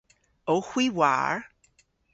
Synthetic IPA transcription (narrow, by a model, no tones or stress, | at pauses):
oxwiwa̰ɹ